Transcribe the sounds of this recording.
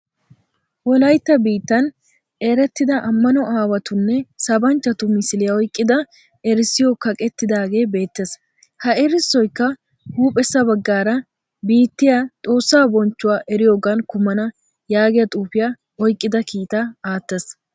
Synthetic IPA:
wɔlɐjt̪ːɐbiːt̪ːɐn | eːɾɛt̪ːɪd̪ɐʔɐmːɐnɔaːwɐt̪ʊnːɛsɐbɐnt͡ʃːɐt̪ʊmɪsɪlɪjɐɔjkʼːɪd̪ɐ | ɛɾɪsːɪjokɐkʼɛt̪ːɪd̪aːɡe̞ːbe̞ːt̪ːes | hɐɛɾɪsːɔjkːɐ | huːpʼɛsːɐbɐɡːaːɾɐ | biːt̪ːɪjat̪ʼo̞ːsːaːbɔnt͡ʃːʊwaːʔɛɾɪjoːɡɐnkʊmɐnɐ | jaːɡɪjɐt̪ʼuːfɪjɐ | ɔjkʼːɪd̪ɐkiːt̪aaːt̪ːes

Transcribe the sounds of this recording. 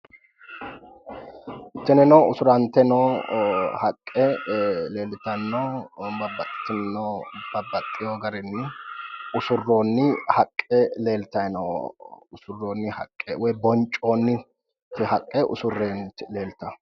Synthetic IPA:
ɪt̪ːɪnɛnoːʊsʊɾɐnt̪ɛnoː | hɐkʼːɛle̞ːlɪt̪ɐnːoːbɐbːɐt̪ʼːɪ̥t̪ːɪnnob̥ɐbːɐt̪ʼːɪjoːɡɐɾɛnːɪʊsʊrːo̞ːnːɪhɐkʼːɛle̞ːlt̪ɐnoːʊsʊrːoːnːɪhɐ̰kʼːɛ̰wɔjbɔnt͡ʃʼːoːnːɪ | t̪ːɪhɐkʼːɛʔʊ̰sʊrːeːnle̞ːlt̪ɐ

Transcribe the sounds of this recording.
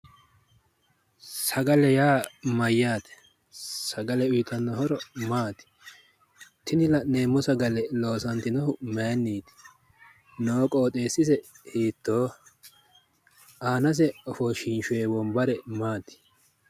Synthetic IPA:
sɐɡɐlɛjaːmɐjːaːt̪ɛ̥ | sɐɡɐlɛʊjɪt̪ɐnːɐɦɔɾɔmaːt̪ɪ̥ | t̪ɪnɪlɐne̞ːmːɔsɐɡɐlɛlo̞ːsɐnt̪ɪnɔhʊmeːnːiːt̪ɪ̥ | noːkʼɔːt̪ʼeːsɪsɛ | heːt̪ːoː | aːnɐs̬ɛɔfɔʃɪnʃʊeːbɔmbɐɾɛmaːt̪ɪ̥

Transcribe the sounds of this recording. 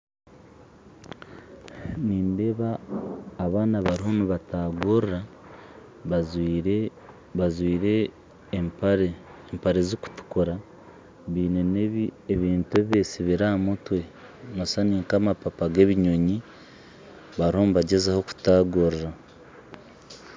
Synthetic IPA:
niːnde̞βaː | βaːnaβaɾiho̞nuβataɡoɾɾa | ɾ | azwiːɾe | ɾː | mpaɾe̞ziku̥tu̥kuɾa | βiːneneieβiːntueβiβe̞siβiɾaːmutwe̞ | nosaniːŋkamapapaɡe̞βiɲoɲi | βaɾihomuβaɟe̞zaho̞ku̥taːɡoɾɾa

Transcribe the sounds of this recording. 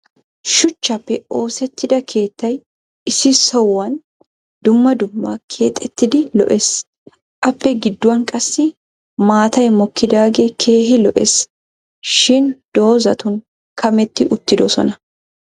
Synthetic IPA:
ʃʊt͡ʃːɐpːɛo̞ːsɛt̪ːɪd̪ɐkʰe̞ːt̪ːɐj | ɪsɪsɔwːɐn | d̪̥ʊmːɐd̪ʊmːakʰe̞ːt̪ʼːɛt̪ːɪd̪ɪlɔ̰ʔes | ʔɐpːɛɡɪd̪ːʊwɐŋkʼɐsːɪ | maːt̪ɐjmɔkːɪd̪aːɡekʰe̞ːɦɪlɔʔes | ʃɪnd̪̥o̞ːzɐt̪ʊŋ | kʰɐmɛt̪ːɪʔʊt̪ːɪd̪ɔsɔ̰nɐ

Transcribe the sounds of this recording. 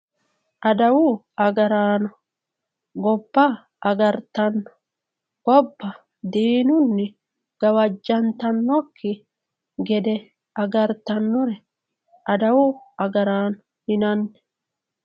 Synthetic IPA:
ʔɐd̪ɐwʊ | ɐɡɐɾaːnɔ | ɡɔbːɐ | ʔɐɡɐɾt̪ɐnːɔ̥ | ɡ̥ɔbːɐ | d̪iːnʊnːɪ | ɡ̥ɐwɐd͡ʒːɐnt̪ɐnːɔkʰːɪ | ɡɛd̪ɛ | ɐɡɐɾt̪ɐnːɔɾɛ | ʔɐd̪ɐwʊɐɡɐɾaːnɔ | hɪnɐnːɛ̥

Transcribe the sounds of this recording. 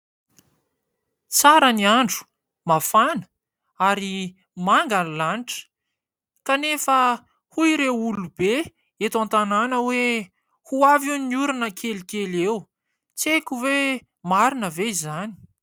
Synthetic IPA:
t͡saɾəniaɳɖ͡ʐu̥ | mafanə̥ | aɾi | maŋɡalanʈ͡ʂə̥ | kanefə | huiɾewulube | et̪ant̪ananəwe | huavuiniuɾinəkʰelikelew | t͡sekʲuve | maɾinəveizani̥

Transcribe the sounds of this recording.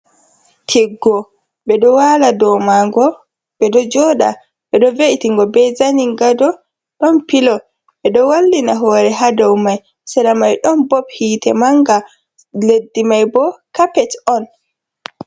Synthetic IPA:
tʰiɡːɔ | ɓɛɗɔwaladɔmaŋɡɔ | bɛɗɔd͡ʒɔɗa̰ | ɓɛɗɔveʔitiŋɡɔbɛzaniŋɡadɔ | ɗɔnpilɔ | ɓɛɗɔwalːinaɦɔːɾɛɦadawmaj | sɛɾamajɗɔnbɔphiːtɛmaŋɡa | ledːimajbɔkapɛtɔn

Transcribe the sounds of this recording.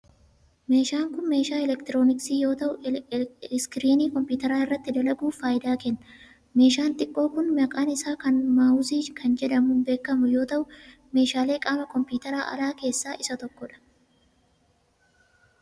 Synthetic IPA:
me̞ːʃaːŋkʊnme̞ːʃaːɛlɛkt̪ɪɾo̞ːnɪksiːjo̞ːt̪ɐʔʊ | skɪɾiːniːkɔmpuːt̪ɐɾaːɪrːɐt̪ːɪd̪ɐlɐɡuːnfaːjɪd̪aːkɛnːɐ | me̞ːʃaːnt̪ʼɪkʼːo̞ːkʊnmɐkʼaːnɪsaːkɐnmaːʊziːkʰɐnd͡ʒɛᶑɐmʊnbe̞ːkːɐmʊjo̞ːt̪ɐʔʊ | me̞ːʃaːle̞ːkʼaːmɐkɔmpjuːt̪ɐɾaːʔɐ̰laːke̞ːsːaːʔɪsɐt̪ɔkːɔᶑɐ̥

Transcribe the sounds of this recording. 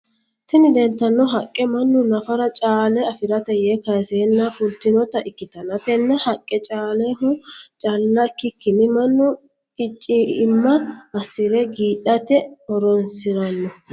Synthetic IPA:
t̪ɪnɪd̪ɛnt̪ːɐnːɔɦɐkʼːɛmɐnːʊnɐfɐɾɐt͡ʃʼaːlɛɐfɪɾɐt̪ɛjeːkɐjseːnːɐfʊlt̪ɪnɔt̪ɐʔɪkːɪt̪ɐnɐt̪ɛnːɐhɐkʼːɛt͡ʃʼaːleɦʊt͡ʃʼɐlːɐkːɪkːɪnɪmɐnːʊ | ɪt͡ʃʼːiɪmːɐːsɪɾɛɡiːᶑɐt̪ɛɔɾɔnsɪɾɐnːɔ

